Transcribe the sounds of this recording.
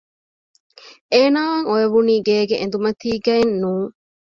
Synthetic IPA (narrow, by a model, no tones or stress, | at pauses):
eːnaːɐŋoeʋuniːɡeːɡeʔḛnd̪umɐt̪iːɡɐenːuːŋ